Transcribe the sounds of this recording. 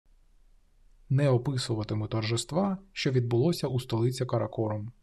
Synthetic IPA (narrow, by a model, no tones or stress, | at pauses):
nɛɔpɪsʊʋɐt̪ɪmɪt̪ɔrʒɪst̪ʋaʃt͡ʃɔʋʲid̪̚bʊlˠɔsʲɐust̪ɔlˠɪt͡sʲɐkɐɾɐkɔɾɔm